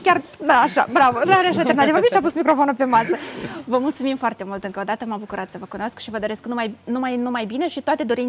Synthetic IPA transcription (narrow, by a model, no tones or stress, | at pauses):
kʲard̪aːʃa̰bɾavəɾaɾeaʃat̪ernat̪ivabʲiʃiapusmikɾo̞fonupe̞masəvəmult̪sumimfoart̪e̞mult̪ɨŋkəod̪at̪əmabukuɾat̪səvəkunoskʃivəd̪o̞ɾe̞sknumajnumajnumajbine̞ʃit̪oat̪e̞d̪o̞ɾin